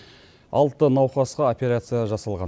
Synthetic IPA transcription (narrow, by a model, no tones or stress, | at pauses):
ɑ̰lˠt̪ːənɑwqɑsqɑopʲe̞ɾat̪sɨjaʒɑsɑlˠʁɑn